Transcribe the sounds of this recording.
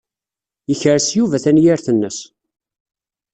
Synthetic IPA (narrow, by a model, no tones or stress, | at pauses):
jəçəɾsjuvæθænjiɾθənːəs